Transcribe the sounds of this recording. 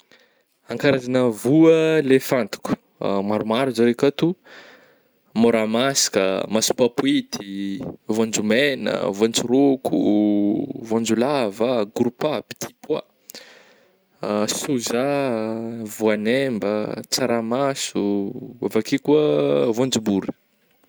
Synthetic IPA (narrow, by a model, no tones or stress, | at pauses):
aŋkaɾazanəvuəlefant̪i̥ku̥ | maɾumaɾuzaɾekat̪u | moɾamasi̥kə̰masu̥papuit̪ivãnd͡ʒumenə̰vant͡suɾokʰṵ | vãnd͡ʒulavaɡɾupapi̥t̪ʰipwa̰ | suza | vuanembət͡saɾamasuavakikuəvãnd͡ʒubuɾə̥